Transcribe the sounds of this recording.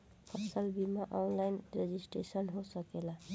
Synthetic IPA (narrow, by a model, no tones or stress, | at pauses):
pʰʌsəlbimaʔɔnlajnɾed͡ʒisʈɾesənɦosəkela